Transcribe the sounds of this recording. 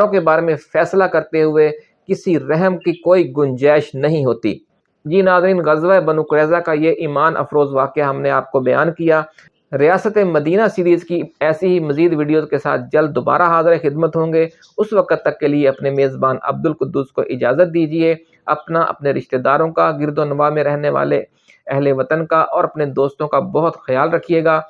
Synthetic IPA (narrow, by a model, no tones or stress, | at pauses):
õkebaːɾemẽfɛːslakɐɾt̪eɦʊe | kɪsiɾɛɦəmkikoːiɡʊnd͡ʒɛːʃnɐɦĩɦoːt̪ḭː | d͡ʒiːnaːzɾiːnɣɐzʋaebɐnũkʊɾɛːzakajeʔiːmaːnʔɐ̰fɾoːzʋaːkeaɦɐmneaːp̚kobɐja̰ːnkijaː | ɾɪjaːsət̪emɐd̪iːnasiːɾiːzkiɛːseɦimɐziːd̪ʋiːɖijozkesa̰ːt̪̚ʰd͡ʒɐld̪̚d̪oba̰ːɾaɦaːzɾexɪd̪mət̪ɦõːŋɡe | ʊsʋɐkət̪ːɐkːelieɐpnemeːzbaːnɐ̰b̚d̪ʊlkʊd̪ːuːsko̰ʔɪd͡ʒaːzət̪̚d̪iːd͡ʒie | ɐpnaʔɐ̰pneɾɪʃt̪ed̪aːɾõkaɡɪɾd̪oːnɪʋamẽɾɛɦneʋa̰ːlḛ | ɛɦleʋɐt̪ənkaʔɔːɾɐpned̪oːst̪õkabɐɦʊt̪xɐjaːlɾɐkʰieːɡaː